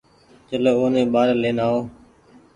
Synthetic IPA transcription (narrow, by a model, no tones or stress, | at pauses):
t͡ʃəleːoːnẽːɓaːɾleːnaːoː